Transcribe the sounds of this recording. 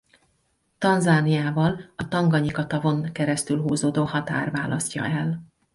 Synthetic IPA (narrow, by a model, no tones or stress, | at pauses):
t̪ɒnzaːnijaːvɒlɒt̪ɒŋɡɒɲikɒt̪ɒvo̞ŋkɛɾɛst̪ylɦuːzoːd̪oːhɒt̪a̰ːrvaːlʔɒsc̪ʲɒ̰ɛl